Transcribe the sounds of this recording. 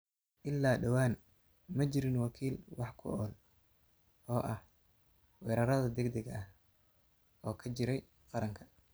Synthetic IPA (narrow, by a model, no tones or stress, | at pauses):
ʔɪlːaːɖɐwaːn | mɐt͡ʃɪɾɪnwɑkʰiːlwɑħkʰʊ̰ʔɔːl | ʔɔːʔɐh | wɛːɾɐɾɐðɐd̪ɛɡd̪ɛɡɐh | ʔɔːkʰɐt͡ʃɪɾɛj | qɑɾɐŋkʰɐ̥